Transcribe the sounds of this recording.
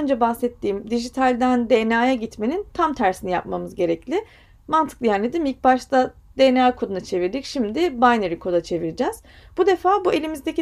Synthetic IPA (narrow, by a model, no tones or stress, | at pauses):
nd͡ʒɛbahsɛt̪ʰːiːmd̪iʒit̪ʰalʲd̪ænd̪enaːjaɟit̪me̞nint̪ʰamt̪ʰæɾsinija̰p̚mamɯzɟe̞ɾɛclʲɪ | mant̪ʰɯ̥klˠijænlʲed̪imilc̚baʃt̪a | d̪̥enaːkʰo̞d̪unat͡ʃʰe̞viɾd̪icʃimd̪ibajneɾikʰo̞d̪at͡ʃʰe̞viɾid͡ʒɛz̥b̥ud̪e̞faːbue̞lʲimizd̪e̞ci